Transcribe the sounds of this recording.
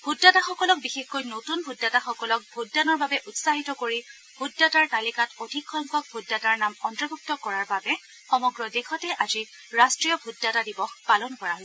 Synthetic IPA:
bʱudːataxɔkɔlɔk̚bixexkojnotunbʱudːataxɔkɔlɔk̚bʱudːanɔɹbabɛʔutsaɦitɔkoɹi | bʱudːataɹtalikatodʱikxɔŋkɔk̚bʱudːataɹnamɔntɹɔɡʱuk̚tɔkɔɹaɹbabɛ | xɔmɔɡɹɔdexɔtɛʔazi | ɹastɹijɔbʱudːatadibɔxpalɔnkɔɹaɦos

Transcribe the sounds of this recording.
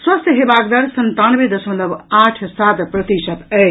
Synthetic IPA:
swəst̪ɦebakd̪əɾsənt̪anbed̪əsmət̪ləbaʈʰsat̪pɾət̪isət̪ə

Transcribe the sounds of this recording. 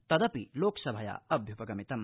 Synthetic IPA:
t̪ɐd̪ɐpiloːksɐbʱɐja̰ɐbʱjupɐɡɐmit̪ɐm

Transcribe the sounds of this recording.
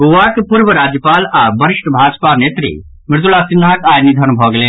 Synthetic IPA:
oʋakepuɾʋəɾaːd͡ʒjəpaːlabəɾɪʃʈbʱaːd͡ʒpanet̪ɾḭ | mɪɾd̪ulasɪnːakaːjnid̪ʱənbʱɔːɡle

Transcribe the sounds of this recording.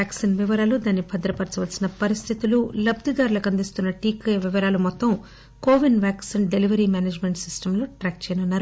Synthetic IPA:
aːksinʋiʋɐɾaːlud̪aːnːipʰɐd̪ɾɐpɐɾt͡ʃɐʋɐlsinɐpɐɾist̪ʰit̪ululɐb̚d̪id̪aːɾulɐkɐnd̪ist̪unːɐʈiːkeʋiʋɐɾaːlumɔt̪ːɐm | koːʋinʋaːksinɖeliʋɐɾiːmaːneːd͡ʒmeɳʈsisʈɐmlo̞ːʈɾaːk̚t͡ʃɛːjɐnunːaːɾu

